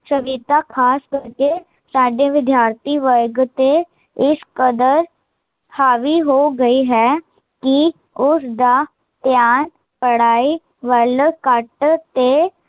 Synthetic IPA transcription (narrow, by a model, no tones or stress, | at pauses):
səʋiːt̪akʰaːskəɾke | saːɖeʋɪd̪jaːɾt̪ʰiʋəɾɡt̪e | ɪskəd̪əɾ | haːʋiɦoːɡəiɦɛː | ki | ʊsd̪aː | t̪jaːn | pəɽ̤aːi | ʋəlkəʈt̪e